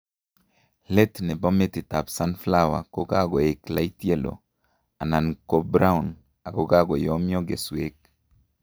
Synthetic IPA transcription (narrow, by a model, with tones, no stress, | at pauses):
le˦t̪nɛ˨bɔ˦me˦t̪ɪ˨ta˨psa˦nfla˦wa̰˨ko˦ɡa˦ɡɔ˨e˨kla˦i˦t̪je˦lo̰˨ | a˨na˨nko˦bɾa˦u˨n | a˨ɡo˦ɡa˦ɡɔ˨jɔ˦mjɔ˦ɡḛ˨swe˦k